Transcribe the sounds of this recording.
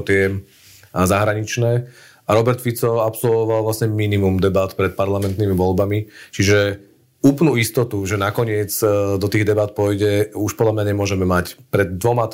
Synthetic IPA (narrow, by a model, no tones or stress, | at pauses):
t̪ɪɛ | zaɦɾaɲit͡ʃnɛː | aɾɔbɛɾt̪fit͡sɔapsɔlʋɔʋalʋlasɲɛminimumd̪ɛbat̪pɾɛt̪̚paɾlamɛnt̪nimiʋɔlbamit͡ʃiʒɛ | uːpnuist̪ɔt̪uʒɛnakɔɲɪɛd͡zd̪ɔt̪iːɣd̪ɛbat̪̚pɔjɟɛuʃpɔd̪lamɲaɲɛmʊɔʒɛmɛmacpɾɛd̪ːʋɔma